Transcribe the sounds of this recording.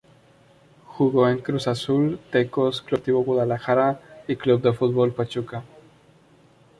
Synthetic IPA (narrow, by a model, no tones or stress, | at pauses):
xuɣoeŋkɾusasult̪ekosklut̪iβoɣwuðalaxaɾaiklub̚d̪efut̪̚βolpat͡ʃuka